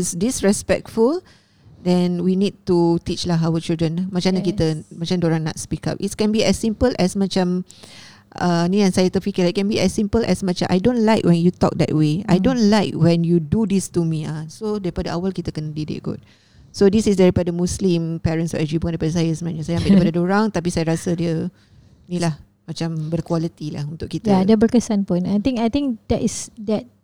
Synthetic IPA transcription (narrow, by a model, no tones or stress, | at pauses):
isdisɹɛspɛ̰k̚tful | dɛ̃nwinid̚tut̪it͡ʃlaɦawət͡ʃildɹə̃nmãt͡ʃãnək̬it̪əmãt͡ʃãmdoɾãŋna̰tspika̰p̚ʔitskɛ̃nbiɛsːĩmpəlʔɛsmãt͡ʃãm | ənĩãnsajət̪əfikəlaiʔkɛ̃nbiɛsːĩmpəlʔɛ̰smãt͡ʃãmʔa̰jdõnlaɪkwɛ̃njut̪ɔ̰k̚d̪ɛ̰t̚wea̰jdõnlaɪkwɛ̃njududist̪umĩasodaɾipadaʔawalkit̪əkənədidɪ̰ʔ̚ɡɔ̰t̚ | sodisisdɛɾipadamũslĩmpɛɹə̃nsɔ̰ʔɛd͡ʒipuandaɾipadas̬ajəsəmənaʔɲasajaambaʔdipadadoɾaŋt̪ap̬isajaɾasədiə | nĩlah | mãt͡ʃambərkwalət̪ila̰hunt̪ʊʔkit̪əadəbərkəsanpʊnajt̪ĩŋkajt̪ĩŋkdɛʔisdɛt̚